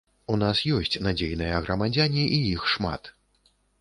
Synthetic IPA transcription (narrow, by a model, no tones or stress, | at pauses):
unasjɔsʲt͡sʲnad͡zʲejn̪ɐjɐɣɾɐmad͡zʲanʲiʔijixʂma̰t̪